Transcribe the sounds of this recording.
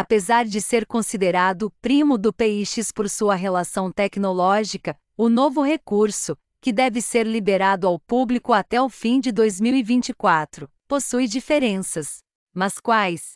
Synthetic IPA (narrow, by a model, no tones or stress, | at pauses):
apezaɾd͡ʒɪseɾkõsid̪eɾad̪ʊpɾĩmʊd̪ʊpeiʃispoɾsuɐɦelasɐ̃w̃t̪ɛknolɔʒikɐ | ʊnovʊɦekuɾsʊ | kɪd̪ɛvɪseɾlibeɾad̪ʊawpublikʊat̪ɛʊfĩd͡ʒɪd̪ojzmiwivĩnt͡ʃikwat̪ɾʊ | posujd͡ʒifeɾẽsɐs | mɐskwajs